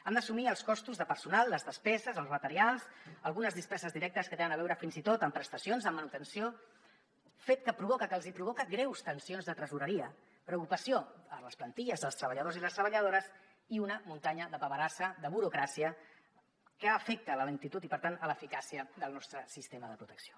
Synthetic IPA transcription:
and̪əsumiəlˠskɔst̪uzðəpəɾsunalˠːəzðəspɛzəzəlˠzmət̪əɾialˠzəlˠɣunəzðispɛzəzðiɾɛk̚t̪əskət̪enənəβɛwɾəfinzit̪ot̪əmpɾəst̪əsionzðəmːənut̪ənsio | fet̪̚kəpɾuβɔkəkəlˠzipɾuβ̞ɔkəɡɾɛwst̪ənsionzðət̪ɾəzuɾəɾiə | pɾəukupəsioələsplənt̪iʎəzðəlˠst̪ɾəβəʎəð̞oziləst̪ɾəβəʎəð̞oɾəs | iunəmunt̪aɲəðəβəβəɾasəðəβuɾukɾasiə | kəːfɛk̚t̪ələləŋt̪it̪ut̪ipəɾt̪anələfikasiəðəlˠnɔst̪ɾəsist̪eməðəpɾut̪əksio̥

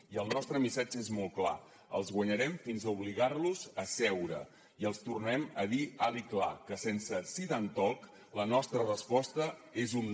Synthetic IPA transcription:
iəlˠnɔst̪ɾəmisad͡ʒəezmɔlˠkla̰ | ə̰lˠzɣwəɲəɾɛmfinzəuβliɣarluzəsɛwɾə̰ | iəlˠst̪urnɛməðialikla̰kəsensəsiðant̪ɔk | lənɔst̪ɾərəspɔst̪əezun

